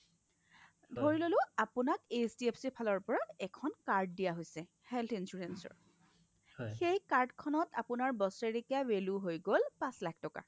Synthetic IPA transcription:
bʱoɹilolʊapunakesdiepʰsipʰalɔɹpɔɹaɛkʰɔnkaɹd̚dijaɦojsɛ | hɛltʰinsuɹensɔ̰ɹ | xejkaɹdkʰɔnɔtapunaɹbɔseɹekiaweluɦojɡolpãslak̚ʰtɔka̰

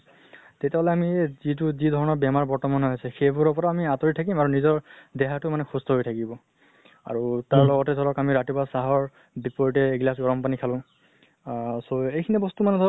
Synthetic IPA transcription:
tetjaɦɔlɛamizit̬uzidʱɔɹɔnɔɹbjamaɹbɔɹtɔmanɔɦojsɛxebɔɹɔpɔɹaːmiatɔɹitʰakimaɹunizɔɹdɛɦatʊmanɛxustʰɔɦojtʰakibɔ | a̰ɹutaɹlɔɡɔtɛdʱɔɹɔkamiɹatibasaɦɔɹ | bipɔɹitɛːɡlasɡɔɹɔmpanikʰalʊ̃ | soejkʰinɛbɔstumanɛdʱɔ

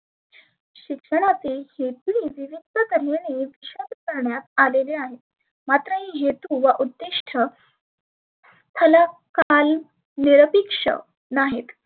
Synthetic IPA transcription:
ɕikʂəɽ̃at͡sehet̪iiʋiʋid̪ʱək̪əɾeneʋiɕod̪kəɾɳjat̪aleleaɦet̪ | mat̪ɾəɦiɦet̪uʋaʔud̪ːiʂʈʰə | s | t̪ʰəlakal | niɾəpikʂə̰ | naɦet̪

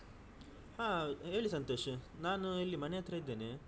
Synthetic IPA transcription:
haːe̞ːɭisɐnt̪o̞ːʂnaːnuelːimɐnejɐt̪ɾɐid̪ːeːne

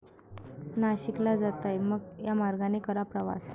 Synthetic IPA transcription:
naɕiklad͡zat̪ajməɡjamaɾɡanekəɾapɾəʋa̰s

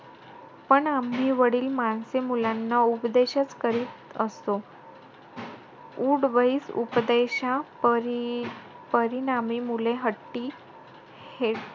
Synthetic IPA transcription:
pəɳam̤ːiːʋəɽiːlmansemulanːaupd̪eɕət͡skəɾiːt̪əst̪o | uːɽʋəiːsṵpd̪eɕãɾ | pəɾinamimuleɦəʈːi | he

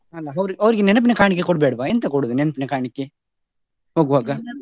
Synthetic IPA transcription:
ɐlːɐɐʋɾɐʋɾiɡenɛnɐp̬inekaːɳik̬ːekɔɽbeːɽɐbaent̪ɐkɔɽud̪unɛnɐpinekaːɳikːe | ɦoːɡuʋaːɡa

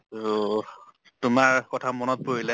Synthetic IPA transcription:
tʊmaɹkɔtʰamɔnɔt̚poɹilɛ

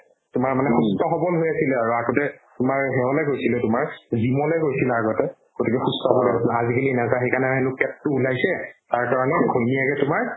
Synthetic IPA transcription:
tʊmaɹmanɛxustɔxɔbɔlɦojasilɛaɹuaɡɔtɛtʊmaɹɦɛɦɔlɛkojsilɛtʊmaɹzimɔlɛkojsilaːɡɔtɛ | ɡ̥otikɛxustɔxɔbɔlɛasaazikalinazaxejkanɛɛnʊkɛtːuːlajsɛtaɹkaɹɔnɛɡʱojnijakɛtʊmaɹ

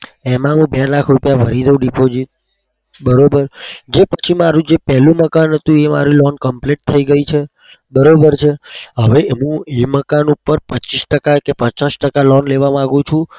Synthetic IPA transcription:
emãɦũbɛlakʰɾupjabʱəɾid͡ʒəũɖipod͡ʒit̪̚ | bəɾobəɾd͡ʒepət͡ʃʰimaɾũd͡ʒepɛɦlũməkanɦət̪ũema̰ɾilɔnkəmpleʈ̚t̪ʰəiɡəit͡ʃʰe | bəɾobəɾt͡ʃʰeɦəʋeeɦũeməkanupəɾpət͡ʃisʈəkakepət͡ʃasʈəkalɔnleʋamãaɡũt͡ʃʰũ

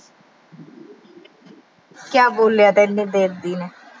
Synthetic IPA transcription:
kjaːboːljaːt̪ɛːnːeːd̪eːkd̪iːnɛː

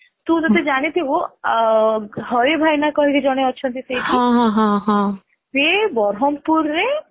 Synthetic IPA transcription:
t̪ũd͡ʒ̪ɔt̪ed͡ʒaɽ̃it̪ʰibo | ɦɔɾebʱajnakɔɦiked͡ʒɔɽ̃eɔːt͡ʃʰɔnt̪̬it̪ʰejt͡ʃɦʰiãɦãɦãɦã | pebɔɾɦɔmpuɾːe

